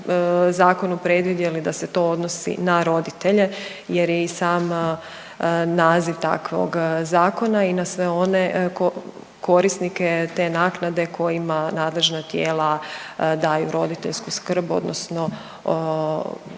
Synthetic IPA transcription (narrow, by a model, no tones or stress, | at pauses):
zaːko̞nupɾe̞d̪ʋid̪jelid̪ase̞t̪o̞o̞d̪no̞sḭnaɾo̞d̪it̪e̞ʎe̞ | je̞ɾjeisaːm | naːziʋt̪a̰kʋo̰ɡzaːko̞nainasʋe̞o̞ne̞ko | ko̞ɾisnike̞t̪e̞naːknad̪e̞kʰo̞jimanaːd̪le̞ʒnat̪jeːlad̪aːjṵɾo̞d̪it̪e̞̰ʎskuskr̩bo̞̰d̪nʔosno̞